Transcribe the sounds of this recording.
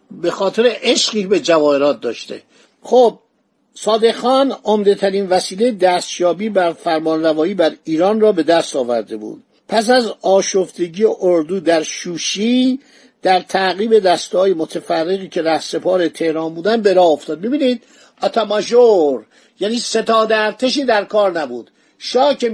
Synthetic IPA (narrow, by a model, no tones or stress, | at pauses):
be̞xɒːt̪ʰe̞ɾeʔeʃɢiːbe̞d͡ʒævɒːeɾɒːt̪̚d̪ɒ̰ːʃt̪ḛ | xob̚ | sɒːd̪e̞xɒːnomd̪e̞t̪ʰæɾiːnvæsiːlejed̪æːst̪jɒːbiːbæɾfæɾmɒːnrævɒːiːbæɾiːɾɒːnrɒːbe̞d̪æst̪ɒːvæ̰ɾd̪e̞bṵːd̪̥ | pʰæs̬æzɒːʃoft̪e̞ɟijeʔoɾd̪uːd̪æɾʃuːʃiː | d̪̥æɾt̪ʰæɣiːbe̞d̪æst̪ɒːjemot̪ʰæfærːe̞ɣiːcʰe̞ɾæhse̞pʰɒːɾe̞t̪ʰe̞hɾɒːnbuːd̪ænd̪̚be̞ɾɒːoft̪ɒːd̪̚mibiːnid̪̚ | ɒt̪ʰæmɒʒoɾ | jæniːse̞t̪ʰɒːd̪eæɾt̪ʰeʃ̬iːd̪æɾkʰɒːɾnæbuːd̪̥ | ʃɒːce